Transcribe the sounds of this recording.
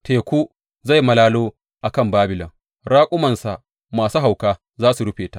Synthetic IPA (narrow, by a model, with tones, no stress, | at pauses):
tʰeː˨kʷuː˦ | za˦˨jmɐ˨laː˦loː˦ | ʔa˨kɐ˦˨mbaː˦bɪ˨lɐ˨ŋ | ɽaː˦kʷʼʊ˦mɐ˨nsa˨ʔ | maː˨su˦ɦa˨wkaː˦ | zaː˦su˨ɽʊ˦ɸeː˨ta˦ʔ